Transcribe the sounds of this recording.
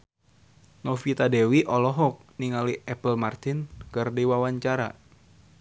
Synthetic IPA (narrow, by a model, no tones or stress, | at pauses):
nɔfit̪adewiʔɔlɔɦɔk̚niŋaliɛpəlmart̪ɪnkɨrdiwawaɲt͡ʃaɾa̰